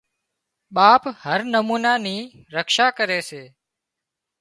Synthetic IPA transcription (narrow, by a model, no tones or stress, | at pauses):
ɓaːphəɾnəmuːnaːniː | ɾəkʃaːkəɾeːseː